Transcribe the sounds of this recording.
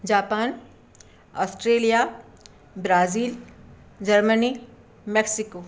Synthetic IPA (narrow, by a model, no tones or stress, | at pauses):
d͡ʒaːpaːn | ɔːsʈɾeːlija | bɾaːziːl | d͡ʒəɾməni | mɛksɪkoː